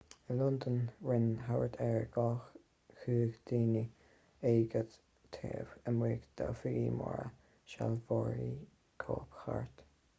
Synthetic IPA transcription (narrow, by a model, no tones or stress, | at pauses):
əlʊnd̪ənɹɪnɦawəɹt̪ʰɛɹɡ̥ɔːx | xʉːɡd̪̥iːni | eːɡəd̪ | t̪ʰeːvəmweːɡd̪̥afɪɡimɔ̰ɹə̰ | ʃalvɔːɹi | kʰoːpxaɹt̪